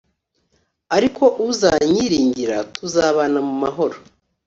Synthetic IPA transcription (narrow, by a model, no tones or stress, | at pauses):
aɾikʰo̞ʔuzaɲiɾiːɲɟiɾatuzaːβanamumaɦo̞ɾo